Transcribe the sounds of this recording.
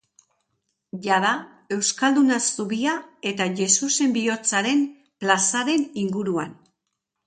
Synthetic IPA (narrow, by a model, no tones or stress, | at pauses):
ʝaða | e̞wskald̪unasuβiae̞t̪aʝe̞suse̞mbio̞t͡saɾe̞m | plasaɾe̞niŋɡuɾuan